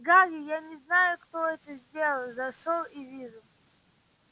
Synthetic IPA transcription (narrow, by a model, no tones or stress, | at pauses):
ɡaɾʲɪjanʲɪznajʊkt̪oɛt̪əzʲdʲelˠəlˠzɐʂolˠivʲiʐʊlˠ